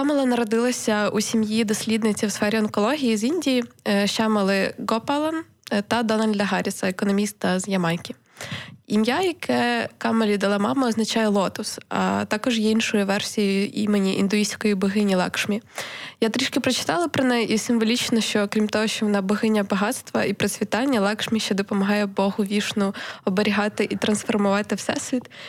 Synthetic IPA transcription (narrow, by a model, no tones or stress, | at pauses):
kɑmɐlˠɐnɐɾɔd̪ɪlˠɐsʲɐusʲimjid̪ɔsʲlʲid̪nɪt͡sʲɐwsfɛɾʲiɔnkɔlˠɔɦʲijizinʲdʲijiʃɑmɐlˠɪɡɔpɐlˠɐn | t̪ɐd̪ɔnɐlʲd̪ʲɐɦɑɾʲisɐekɔnɔmʲist̪ɐzjɐmɑnʲkʲi | imjajɐkʰɛkɑmɐlʲid̪ɐlˠɑmɑmɐɔznɐt͡ʃɑjɛlˠɔt̪ʊsɐ̰t̪ɑkɔʒjɛinʃɔjʊʋɛrsʲijiʔḭmenʲiʔḭnd̪ʊisʲkɔjibʊɦɪnʲilˠɑ̰kʃmʲijat̪ɾʲiʃkɪpɾɔt͡ʃɪ̥t̪ɑlˠɐpɾɔnɛisɪmʋɔlʲit͡ʃnɔʃt͡ʃɔkɾʲimt̪ɔɦɔʃt͡ʃɔʋɔnɑbʊɦɪnʲɐbɐɦɑt̪st̪ʋɐipɾesʲʋʲit̪ɑnʲːɐlˠɑkʃmʲiʃt͡ʃɛd̪ɔpɔmɐɦɑjɛbɔɦʊʋʲiʃnʊɔbeɾʲiɦɑt̪ɪʔit̪ɾɐnsfɔrmʊʋɑt̪ɪwsɛsʋit̪